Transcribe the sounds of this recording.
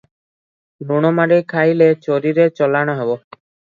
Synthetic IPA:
uɽ̃ɔmaɖikʰajlet͡ɕoɾiɾet͡ʃɔlaɽ̃ɔɦebo

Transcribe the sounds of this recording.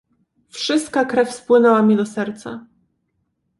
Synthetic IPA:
fʂɘst̪̚kakɾɛfspwɘnɛwamʲid̪ɔsɛɾt̪sa

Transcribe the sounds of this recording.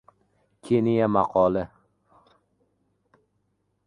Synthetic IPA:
kʲʰenijamɑqʰɒlˠɪ

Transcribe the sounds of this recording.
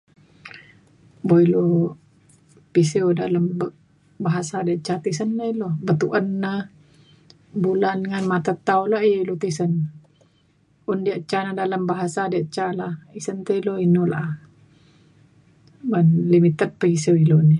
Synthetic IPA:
boilu | pisiwdaləmb | baɦasadiaʔt͡ʃat̪isənːəilohbət̪uʔənːə | bulanŋanmat̪at̪aulaʔilut̪isən | undiəʔt͡ʃːanadaləmbaɦasadiaʔt͡ʃalahisənt̪əiloinula̰ʔ | banlimit̪ət̪̚pəisewiluni

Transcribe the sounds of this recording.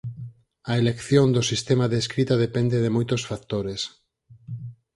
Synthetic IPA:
ɐelekθjond̪osist̪emaðeːskɾit̪aðepend̪eðemojt̪osfak̚t̪oɾes

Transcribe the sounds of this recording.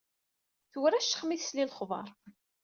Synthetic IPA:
θuwɾæʃə̥χmiθslilχðˤɑ̰ɾˤ

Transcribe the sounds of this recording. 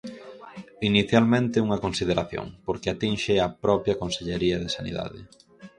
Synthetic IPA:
iniθjalmẽnt̪ɪuŋɐkonsiðeɾaθjo̰ŋpoɾkɪat̪inʃeɐpɾɔpɾjɐkonseʎeɾiɐðɪsanḭða̰ðɪ̰

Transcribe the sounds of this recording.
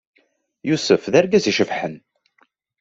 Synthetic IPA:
jusəfðæɾɡæziʃəfħən

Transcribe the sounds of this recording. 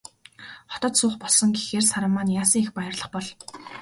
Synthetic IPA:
χɔ̥t̪ɞ̆t̪sʊːχpɔɮsɞ̆ŋɡexeːrsaɾə̆mːaːnjaːsĭŋixpajə̆rɮə̆χpɔɮ

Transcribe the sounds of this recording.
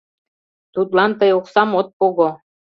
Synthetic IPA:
t̪ut̪lɑnt̪ɤjoksɑmot̪̚poɣo

